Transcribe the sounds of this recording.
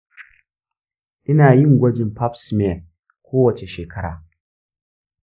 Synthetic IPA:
ʔɪ˦naː˨jɪ˦˨ŋɡʷɐ˦d͡ʒɪ˨mpa˦psme˦˨ | kʷʰoː˦wɐ˨t͡ʃe˨ʃeː˨kʰɐ˦ɽa̰ː˨

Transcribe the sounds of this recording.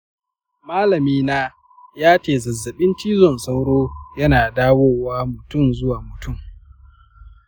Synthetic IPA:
maː˦lɐ˨miː˦naː˦ | jaː˦t͡ʃeː˦˨zɐ˨zːɐ˨ɓɪ˦nt͡ʃiː˦zɔ˨nsa˦wɽoː˦jɐ˦naː˨daː˦woː˦waː˦mʊ˨tʊ˦˨mzʊ˦waː˨mʊ˨tʊ˦˨m

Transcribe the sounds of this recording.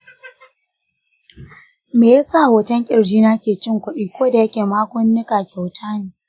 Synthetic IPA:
meː˨ja˦sa˦˨hoː˨tɐ˦ŋkʲʼɪ˨ɽd͡ʒiː˦na˦kʲeː˨t͡ʃɪ˦ŋkʷʊ˦ɗiː˦kʷoː˦da˨jɐ˦kʲeː˨maː˦kʷʊ˦nːɪ˦kaː˨kʲa˨wtʰaː˦neː˨

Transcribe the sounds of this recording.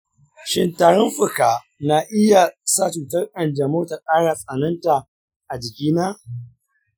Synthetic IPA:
ʃɪ˦ntaː˨ɽɔ˦mɸʊ˨kaː˨ | na˨ʔɪ˦ja˨sa˦˨t͡ʃuː˨tɐ˦rʔʼɐ˨nd͡ʒɐ˨moː˦ta˨kʼaː˦ɽaː˨sʼɐ˨nɐ˦nta˨ | ʔa˨d͡ʒɪ˨kʲiː˦naː˦

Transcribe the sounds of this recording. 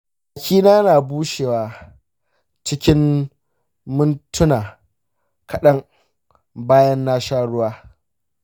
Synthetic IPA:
a˨kʲʰiː˦naː˦jnaː˨buː˦ʃeː˨waː˨ | t͡ʃɪ˦kʲɪ˦m | mʊ˦ntʊ˦naː˨ | kɐ˨ɗɐ˦ŋ | baː˦jɐ˦nːa˦ʃaː˦ɽʊ˦waː˦

